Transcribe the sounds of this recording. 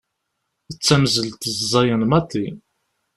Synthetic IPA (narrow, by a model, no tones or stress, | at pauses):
ət͡sːæmzəlt̪zzˤɑjənmæt̪ːi